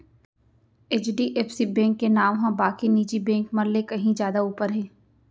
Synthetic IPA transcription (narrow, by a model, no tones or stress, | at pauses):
eːt͡ʃɖiʔeːpsibɛ̃ːŋkːenaːʋɦãbaːkiniːd͡ʒibɛ̃ːŋkmɐɾlekɐɦĩzjaːd̪auːpəɾɦɛ̃ː